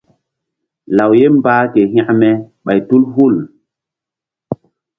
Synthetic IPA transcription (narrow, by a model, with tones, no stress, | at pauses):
la˨wje˦mbaː˦ke˨ɦĩ˦mɛ˨ɓa˨jtu˦lɦu˦˨l